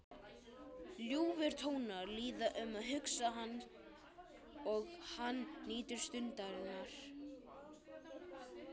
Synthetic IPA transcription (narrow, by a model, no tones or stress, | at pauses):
ljuːvɪɾ̥t̪ʰoːwnaɾliːðaʔʏmaðɦʏksaɦanː | ɔɣhanːiːt̪ɪɾ̥st̪ʏnt̪aɾɪnaɾ̥